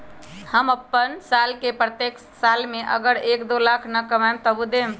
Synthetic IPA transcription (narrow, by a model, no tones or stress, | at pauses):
həməpːənsalkepɾət̪ekʰ | salmeʔə̰ɡəɾekd̪olakʰnəkəmamt̪əbud̪em